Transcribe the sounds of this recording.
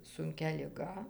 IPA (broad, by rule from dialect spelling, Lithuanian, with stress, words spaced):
sʊŋʲˈkʲɛ lʲɪˈɡɐ